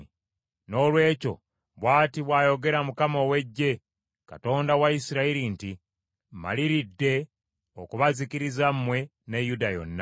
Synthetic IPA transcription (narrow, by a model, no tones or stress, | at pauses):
no̞ːlwe̞ːco̞̰ | βwaːtiβwaːjo̞ɡe̞ɾamukamowe̞ɟːe̞ | ka̰to̞ːndawaisiɾaiɾinti | ma̰liɾidːe̞ | okuβazikiɾizamːwe̞ | nejudajo̞̰nːa